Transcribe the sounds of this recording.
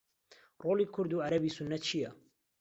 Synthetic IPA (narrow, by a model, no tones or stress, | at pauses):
roːliːkʰʊɾd̪uːʕaɾɐbiːsʊnːɐt̪̚t͡ʃʰijɐ